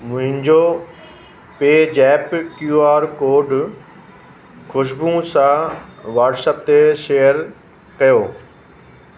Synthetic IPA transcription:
mʊ̃ɦɪ̃ɲd͡ʑo | peːd͡ʑɛːpkjuːaːɾkoːɾɖ | xʊʃ̬bũsãʋaːʈsəp̚t̪eʃeːjəɾ | kɐjoː

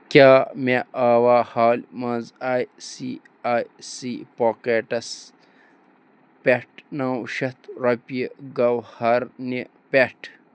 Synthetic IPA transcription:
kʲaːmeaːwaːhaːlmɐ̃zaːjsi | aːjsipoːkeːʈɐs | peʈnaːwʃɐt̪ɾɐpieɡɐwhɐɾni | peʈ

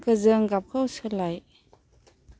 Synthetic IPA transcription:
kəzɯŋɡap̚kʰowsɯlaj

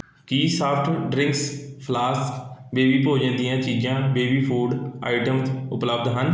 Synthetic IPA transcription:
kiːsaːpʰʈʰɖɾɪ̃ŋkspʰlaːskbeːbiːpoːd͡ʒə̃nd̪ijãːt͡ʃiːd͡ʒãːbeːbiːpʰoːɖa̰ːɪʈəmt̪ʊpləb̚d̪ɦən

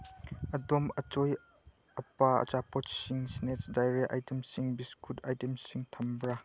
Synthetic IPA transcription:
ʔɐdɔmət͡ʃoj | ɐpaɐ̰t͡ʃapɔtsiŋsnet͡ʃdɐjɾeʔɐ̰jtemsiŋbiskʰutɐjtemsiŋt̪ʰɐmbɾa

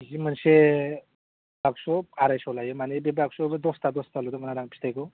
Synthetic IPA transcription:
zimənse | bʱaɡsoaɾajsolajomanibebʱaɡsʰobd̪ost̪ad̪ost̪alud̪omənaɾaŋpʰi̥st̪ajko

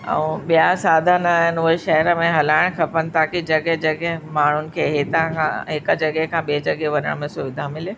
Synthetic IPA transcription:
ɛ̰̃ːɓijasaːd̪ʱənɐɦɪnɪʊɦeʃɐɦəɾəmẽɦɐlaːɪɽ̃kʰɐpənɪ̆t̪aːkid͡ʑɐɡɛɦd͡ʑɐɡɛɦmaːɳ̤ʊnɪ̆kʰeːɦet̪ãkʰã̰ɦɪkəd͡ʑɐɡɛkʰãːɓid͡ʑɐɡeʋɐnə̰ɽ̃mẽsʊʋɪd̪ʱamɪle

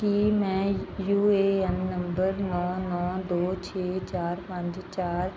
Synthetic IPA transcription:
kimɛ̃ːjuːeːɛnːəmbəɾnɔːnɔːd̪oːt͡ʃʰeːt͡ʃaːɾpə̃ɲd͡ʒt͡ʃaːɾ

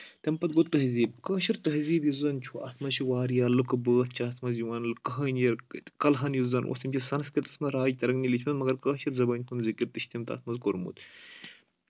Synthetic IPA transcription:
t̪empɐt̪̚ɡot̪ːɐɦziːb̚kəːʃiɾt̪ɐɦziːbjizɐnt͡ʃʰuʔɐt̪ʰmɐʃiʋaːɾjaːlɨkɨbəːt̪̚ʰt͡ʃʰaːt̪ʰmɐzjuʋɐːnlɨkɐɦɐːnjɐɾkɐlɦɐnjizɐnʔo̰ːst̪ʲimʲt͡ʃʰʲisɐnskɐt̪t̪ɐ̥smɐɾaːjt̪ɐɾɐɡnʲilit͡ʃʰmɐt̪mɐɡɐɾkəːʃiɾzɐbɐːnʲk̪ʰunzikiɾ̚t̪ɨʃt̪imt̪ɐ̰t̪ʰmɐzkoɾmṵːt̪

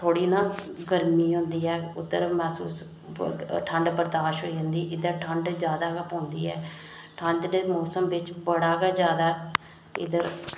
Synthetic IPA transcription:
t̪ʰoːɽiːnãːɡəɾmiːɦʊ̃nd̪iːɛːʊd̪əɾmɛːsṵːs | ʈʰəɳɖbəɾd̪aːʃɦoːiːd͡ʒãːnd̪iːʔɪd̪əɾʈʰəɳɖd͡ʒjaːd̪aːkəpõːnd̪ḭːɛ̰ː | ʈʰə̃ɳɖemoːsəmʋɪt͡ʃbəɽaːɡad͡ʒjaːd̪aː | ɪ̰d̪əɾ

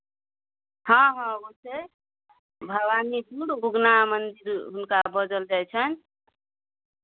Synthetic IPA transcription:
hʌ̃ɦʌ̃bose | bʱəwanidʱuɽbuɡnamənd̪iɾɦunkabəd͡ʒəld͡ʒajt͡ʃʰən

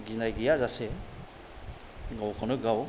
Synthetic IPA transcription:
ɡinajɡijazase | ɡawkʰɔnɯɡaw

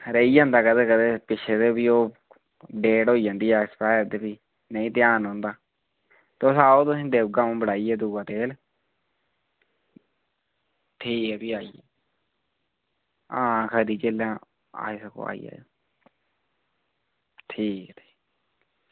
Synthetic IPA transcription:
ɾeiːd͡ʒãːnd̪aːkəd̪eːkəd̪eːpɪt͡ʃʰeːt̪eːbiːoː | ɖeːʈɦoːiːd͡ʒãːnd̪iːɛːkspaːjɾd̪eːpiː | nəĩːt̪ɪjaːnɦõːnd̪aː | t̪esaːoːt̪ʊsĩːd̪eːbɡãmːbəɽaːiːɛːd̪uːʋaːt̪eːl | ʈʰiːkɦɛːpiːaːiɛː | ãːkʰəɾiːt͡ʃeːlãː | a̰ːisəko̰ːa̰ːḭjɛ̰ː | ʈʰiːkːt̪ʰi̥ː

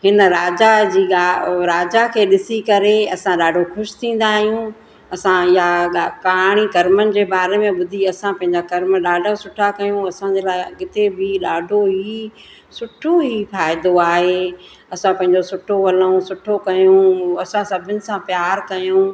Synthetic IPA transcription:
ɦɪnɾaːd͡ʑad͡ʑiːɡaɾaːd͡ʑakʰeːɗɪsikɐɾeɐsãɗaːɖʱoxʊʃɪ̥t̪ʰĩːn̆d̪aːɦijũ | ɐsãɪjakaːɽ̃ikɐɾmənɪ̆d͡ʑeːbaːɾemẽɓʊd̪ʱiɐsãpɐ̃ɦɪ̃ɲd͡ʑakɐɾmɗaːɖʱasʊʈʰakɐjũɐsãd͡ʑeːlaːɪkɪt̪ebɪɗaːɖʱoɦi | sʊʈʰoɦifaːɪd̪oaːɦeː | ɐsãpɐ̃ɦɪ̃ɲd͡ʑosʊʈʰoʋɐlõsʊʈʰokɐjũɐsãsɐbʱɪnɪ̆sãpjaːɾkɐjũː

